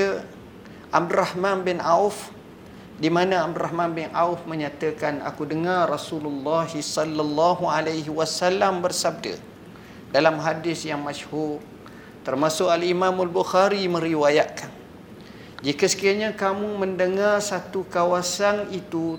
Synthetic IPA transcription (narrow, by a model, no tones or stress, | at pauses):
ə | ʔab̚durahmãnbɪnauf | dimanə̃ab̚duɾaɦmãnbɪnʔa̰ufmə̃ɲãt̪əkana̰kudəŋarrasululːaɦisɔlːalːaɦualajɦiwasalambərsab̚də̰ | dalamɦadɪsjaŋmaʃhur | t̪ərmasʊʔkalimãmalbuxaɾimə̃ɾiwajaʔkan | d͡ʒikəsə̥kiaɲakamũmə̃ndəŋarsat̪ukawasanit̪u